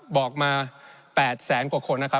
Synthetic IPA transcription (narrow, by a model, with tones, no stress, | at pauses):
bɔː˨˩k̚maː˧pɛː˨˩t̪̚sɛː˩˦nku˨˩kʰo˧nːa˦˥kʰa˦˥